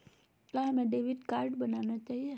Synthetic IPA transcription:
laɦəmẽɖeʋiɖkaːɾɖbənanat͡ʃaːɦie

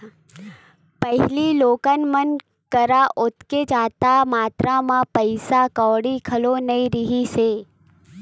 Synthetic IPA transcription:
pəɦliloːkənmən | kəɾaʔʊt̪ked͡ʒaːt̪amaːt̪ɾamãpəɪsakɔːɽikʰəlonɐĩɾɪɦiseː

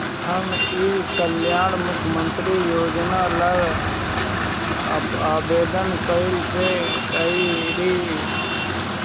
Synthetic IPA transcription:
həmiːkəljaːɳmʊkʰːjəmənt̪ɾijoːd͡ʒnaːləj | aːbeːd̪ənkəɪlse | əi | ɾiː

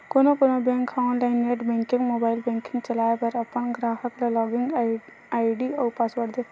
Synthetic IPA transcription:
koːnokonobẽːŋkʰːaːʊ̃nlaɪnːeʈbɛ̃ːŋkɪ̃ŋɡmoːbaːɪlbɛ̃ŋkɪ̃ŋɡt͡ʃɐlaːepəɾɐpənɡɾaːɦəklelɔːɡɪŋɡ | aːɪɖiɔwpasʋəɾd̪e

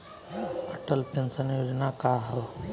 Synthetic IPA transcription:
əʈəlpensənjoːd͡ʒnakaːɦəʋ

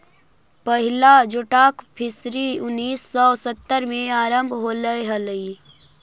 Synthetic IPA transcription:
pəɦɪlad͡ʒoʈaːkpʰɪsɾiʊnːiːsːɔsət̪ːəɾmẽaːɾəmbʱɦoləeɦələi

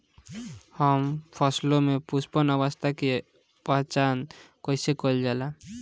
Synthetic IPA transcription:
həmpʰəslomepuspənəʋəst̪ʰake | pat͡ʃankɔisekold͡ʒala

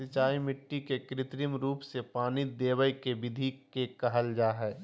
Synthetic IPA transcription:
sɪt͡ʃaːimɪʈːikekɾɪt̪ɾɪmɾuːpsepaːnid̪eːwəjkebɪd̪ʱikekɐɦəld͡ʒaːɦɛː

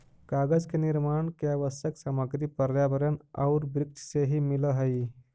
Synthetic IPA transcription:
kaːɡəd͡ʒkeniɾmaːɳkeaʋəsjəksaməɡɾipəɾjabəɾəna̰ʊɾbɾɪk̚t͡ʃʰseɦimiləɦəj

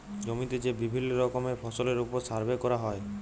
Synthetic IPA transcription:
d͡ʒomit̪ed͡ʒebibʱilːɔɾɔkɔmepʰɔsɔleɾupɔɾsaɾbekɔɾaɦɔe

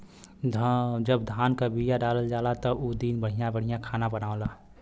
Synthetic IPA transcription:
d̪ʱd͡ʒəbd̪ʱaːnkabijaɖaːləld͡ʒaːlat̪ɔʔod̪iːnbəɽ̤ijãbəɽ̤ijãkʰaːnabənaːolaː

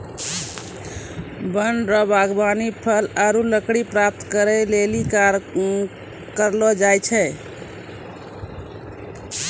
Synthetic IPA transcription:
bənɖɾɔbaɡbanipʰəlaɾuləkɽipɾap̚t̪kəɾɛlelikaɾ | kəɾlɔd͡ʒajt͡ʃʰɛ

